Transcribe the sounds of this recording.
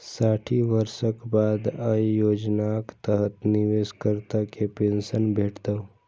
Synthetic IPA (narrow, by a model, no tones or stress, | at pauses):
saʈʰiʋəɾsəkbad̪ajoːd͡ʒnakt̪əɦət̪nɪʋeskəɾt̪akepẽnsənbʱeːʈt̪ə